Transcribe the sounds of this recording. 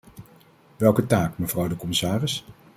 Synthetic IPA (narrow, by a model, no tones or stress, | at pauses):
ʋɛlˠkətaːkməv̥rɑwdəkɔmɪsaːrɪs